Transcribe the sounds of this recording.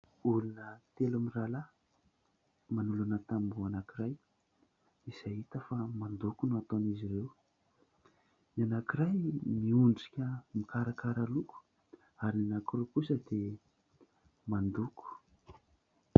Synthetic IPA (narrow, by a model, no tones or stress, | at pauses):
ulunət̪elamirala | manulunət̪ambuanakiɾaj | izaɦit̪əfamand̪ukunuat̪onizirew | nianakiɾajmiuɳɖ͡ʐi̥kʲəmikaɾakaɾaluku̥ | aɾinanakirewkusəd̪e | mand̪uku̥